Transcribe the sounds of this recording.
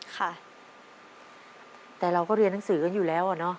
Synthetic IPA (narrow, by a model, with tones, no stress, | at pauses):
kʰa˥˩ | t̪ɛː˨˩ɾa˧wkɔː˥˩ɾi˧ənːa˦ŋsɯː˩˦ka˥˩njuː˨˩lɛː˦˥wʔa˨˩nɔ˦˥